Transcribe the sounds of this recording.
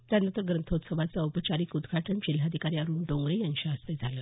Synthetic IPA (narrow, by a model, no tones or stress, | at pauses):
t̪janənt̪əɾɡɾənt̪ʰot̪səʋat͡saupət͡ɕaɾiːkud̪ɡʱaʈʰənɕil̤ad̪ʱikaɾiaɾuːɳɖõŋɡɾejənɕaːst̪ed͡zʱaləː